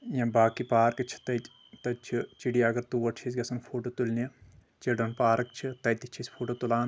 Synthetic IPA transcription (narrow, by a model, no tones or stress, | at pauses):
jɐ̃baːkipaːɾkɨt͡ʃʰi̥t̪ɐ | t̪ɐt͡ʃʰit͡ʃiɽiɐɡɐɾt̪uʋɐʈʰisʲɡɐsɐnfʰoːʈot̪ulnɐ | t͡ʃiɖɐnpaːɾɐkt͡ʃʰit̪ɐjt̪it͡ʃʰisʲfʰoːʈot̪ulaːn